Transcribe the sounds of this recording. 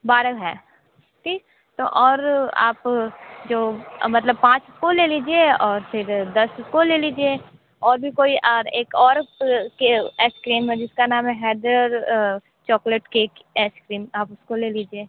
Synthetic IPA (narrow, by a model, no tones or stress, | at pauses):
baːɾəkɦɛː | ʈʰiːk | t̪o̰ʔɔːɾa̰ːpd͡ʒoːmɐt̪ləb̚pãːt͡ʃʊskoleliːd͡ʒieɔːɾpʰɪɾd̪ɐsʊskoleːliːd͡ʒie | ɔːɾbʱikoːiʔɾeːkɔːɾkeɛskɾiːmɦɛ̃d͡ʒɪskanaːmɦɛɦɛːɖɾəɾ | t͡ʃɔːkleʈkeːkeskɾiːmaːpʊskoleːliːd͡ʒieː